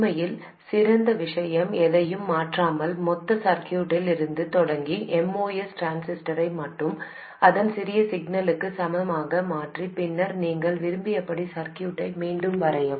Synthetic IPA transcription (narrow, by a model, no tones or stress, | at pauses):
mɐjɪl | sɪɾɐnd̪ɐʋɪʂɐjɐmɛðɐjɯmːaːʈraːmɐlmɔt̪ːɐsɐɾkɪjuːʈːɪlɪɾɯnd̪ɯt̪ɔɽɐŋɡiʔɛmoːjɛsʈɾaːnsɪsʈɐɾɐɪmɐʈːɯm | ɐðɐnsɪɾɪjɐsɪɡ̚nɐlɯkːɯsɐmɐɐmaːɣɐmaːʈripɪnːɐɾniːŋɡɐɭʋɪɾɯmbɪjɐpːɐɽisɐɾkɪjuːʈːɐɪmiːɳɖɯmʋɐɾɐjɐ